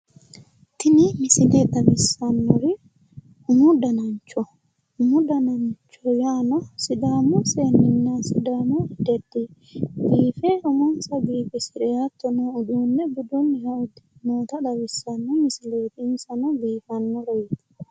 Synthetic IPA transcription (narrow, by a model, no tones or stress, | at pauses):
t̪ɪnimɪsɪleᶑɐbɪsːɐnːɔɾɪ | ʊmud̪ɐnɐɲt͡ʃɔ | ʊmʊd̪ɐnɐɲt͡ʃɔjaːnɔsɪd̪aːmuseːnːɪnːasɪd̪aːmud̪ɛd̪ːɪ | ɡiːfeʔʊmɔnsɐɡiːfɪsɪᶑɛat̪ːɔnoʊd̪uːnːɛbʊd̪ɔnːɪhɐʊd̪ɪ̥moːt̪ɐᶑɐbɪsːɐnːɔmɪsɪleːt̪ɪːnsɐnɔɡiːfɐnːɔɾɛjt̪